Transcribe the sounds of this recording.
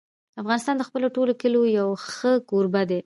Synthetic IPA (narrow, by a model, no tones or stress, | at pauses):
afɣɑnɪst̪ɑnd̪əxpəloʈolokəlojawxəkoɾbad̪e